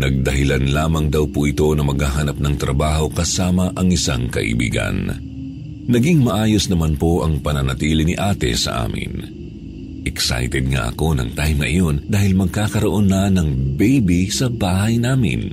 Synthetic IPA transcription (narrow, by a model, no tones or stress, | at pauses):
nɐɡ̚d̪ɐɦɪlanlaːmɐŋd̪ɐwpoʔɪt̪o̞nɐmɐɡhaɦanɐp̚nɐŋt̪ɾɐbaːɦo̞kɐsaːmɐʔɐŋɪsaŋkɐ̰ʔḭbḭːɡɐ̰n | nɐɡiŋmɐʔaːjosnɐmanpo̞ʔɐŋpɐnɐnɐt̪iːlɪniʔaːt̪ɛ̰sɐ̰ʔa̰ːmɪ̰n | ʔɛksa̰jt̪ɛd̪̚ŋa̰ʔɐ̰ko̞nɐ̰ŋt̪ajmŋɐʔɪ̰jo̞nd̪aːhɪlmɐɡ̚kaːkɐɾoʔo̞nːɐnɐŋbɛjbisɐbaːhɐjnaːmɪ̰n